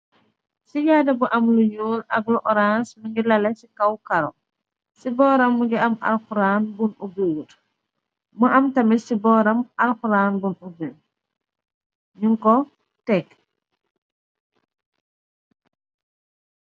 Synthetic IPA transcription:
sijadabuʔamluɲulaɡlɔʔɔɾansmiŋɡilalɛsikawkaɾɔ | sibɔːɾamːuɡɛama̰lxuɾanbunʔubuwut | muʔamtamisibɔɾamalxuɾaːnbunubi | ɲuŋkɔ | tɛk

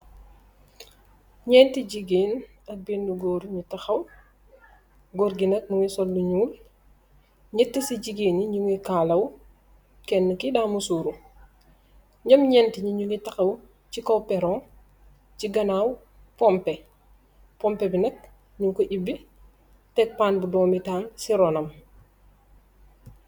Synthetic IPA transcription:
ɲɛːntiɟiɡeːn | ɐk̚binːuɡɔːɾuɲutɐxɐw | ɡɔɾɡinɐk̚nuwisɔlːuɲuːl | ɲitːisiɟiɡeːniɲuŋikaːlɐw | kɛnːəkidaːmusuːɾu | ɲɐmɲɛntiɲuɲuŋitɐxɐw | cikɔwpɛɾɔn | ciɡɐnaːw | pɔmpɛ | pɔmpɛbinɐk̚ | ɲuŋkoʔibːi | tɛk̚paːnbudɔːmitaːnsiɾɔnɐm

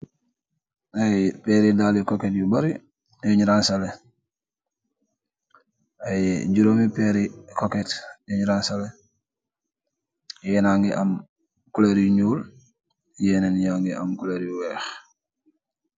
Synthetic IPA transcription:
ajpɛɾidalikoketjubaɾi | joɲɾansale | ajɟuɾoːmipeɾikoketjoɲɾansale | jɛnaŋɡiʔɐm | kuleɾuɲuːl | jɛːnenjaŋɡiɐ̰mkuleɾjuwɛːx

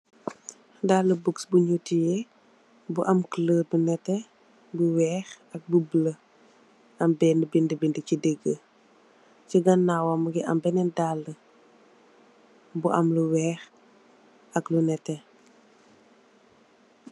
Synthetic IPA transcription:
daːlːəbuksbuɲutijɛ | buʔɐmkləːbunɛtːɛ | buwɛːx | ɐk̚bublə | ɐmbɛndəbindəbindicideɡːə | ciɡɐnːawɐmuɡiʔɐmbɛnɛndalːə | buʔɐmluwɛːx | ɐklunɛtːɛ

